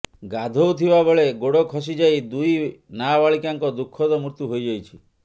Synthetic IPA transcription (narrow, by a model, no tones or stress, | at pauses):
ɡad̪ʱowt̪ʰibabɔɭeɡoɽɔkʰɔs̬id͡ʒajd̪ujnabaɭikaŋkɔd̪ukʰːɔd̪ɔmuɾt̪uɦojd͡ʒajt͡ʃʰi